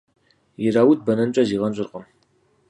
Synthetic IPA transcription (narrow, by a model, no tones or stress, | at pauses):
jɪɾaːwut̚bɐnɐnt͡ʃʷʼɐziːʁɐnɕʼɪrqʼəm